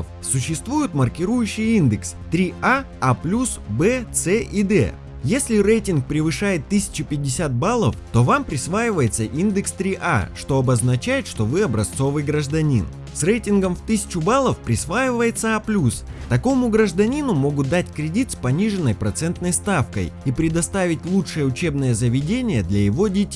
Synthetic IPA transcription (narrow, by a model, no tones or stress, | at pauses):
f | sʊɕːɪst̪vujɪt̪mərkʲɪɾujʉɕːɪjind̪ɨkst̪ɾʲia | aplʲusbɛt̪sɛʔid̪ɛ̰ | jesʲlʲɪrejtʲɪnk̚pɾʲɪvɨʂajɪt̪ːɨsʲɪ̥t͡ɕɪpʲɪdʲɪsʲat̪̚balˠəft̪o̞vampɾʲɪsvajɪvəjɪt̪səʔind̪ɨkst̪ɾʲiʔa̰ʂt̪o̞ɐbəznɐt͡ɕæjɪt̪ʂt̪o̞vɨɐbɾɐst̪so̞vɨjɡɾəʐd̪ɐnʲḭn | srejtʲɪnɡəmft̪ɨsʲɪ̥t͡ɕʊbalˠəfpɾʲɪsvajɪvəjɪt̪səaplʲust̪ɐko̞mʊɡɾəʐd̪ɐnʲinʊmo̞ɡʊt̪̚d̪atʲkɾʲɪdʲit̪spɐnʲiʐɨnːəjpɾɐt̪sɛnt̪nəjst̪afkə̰jipɾʲɪd̪ɐst̪avʲɪtʲlˠutʂɨjəʊt͡ɕe̞bnɨjəzəvʲɪdʲenʲɪjəd̪lʲɐjɪvo̞dʲetʲ